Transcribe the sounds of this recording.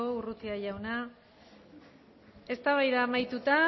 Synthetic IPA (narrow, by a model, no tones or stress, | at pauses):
ourut̪iaʝawna | e̞st̪aβajðaːmajt̪ut̪a